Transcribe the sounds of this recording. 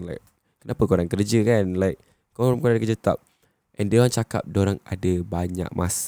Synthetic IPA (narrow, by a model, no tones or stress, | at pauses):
lajk̚ | kənapəkoɾaŋkərd͡ʒəkanlajk | koɾmkoaadakərd͡ʒət̪a̰p̚ | ʔɛ̃ndoɾaŋt͡ʃaka̰p̚doɾaŋa̰dəbaɲa̰k̚mʔas